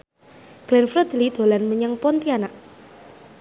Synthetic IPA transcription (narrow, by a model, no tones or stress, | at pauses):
ɡ̥lɛnfɾəd̪̥əlid̪̥o̤lanməɲəŋpɔnt̪ianaʔ